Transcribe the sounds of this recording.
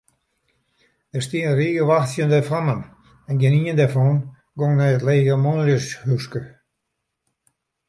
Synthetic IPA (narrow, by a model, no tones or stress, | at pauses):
dəstiːənriːɡəʋaxsjəndɛfamən | ɛnɡɪniəndɛfɔːn | ɡɔŋnɛjətleːɣəmɔnljəshyskə